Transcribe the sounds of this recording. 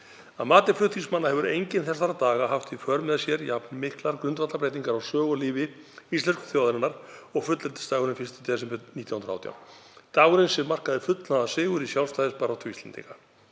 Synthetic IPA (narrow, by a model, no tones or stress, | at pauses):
aðmaːt̪ɪflʏht̪ʰːiŋsmanːahɛvʏɾejɲcɪnθɛsaɾat̪aːɣaɦaft̪ifœɾmɛðsjɛɾjapnmɪhklaɾkɾʏnt̪vat̪apɾeːjt̪iŋkaɾawsœːɣɔliːvɪ | ist̪lɛnskʏ̥θjowðɾɪnːaɾ̥ɔɣfʏt̪lɛnt̪ɪ̥st̪aːɣʏɾɪnfɪn̥st̪ɪ̥t̪ʰɛsɪmʏniːt̪jawhnɾa̰wt̪ja̰w̪t̪aɣɾɪnsɛmar̥kaðɪfʏt̪laðasɪːɣʏɾisjawlst̪ajðɪspaːɾawt̪ʰʏist̪ɛnt̪ḭŋka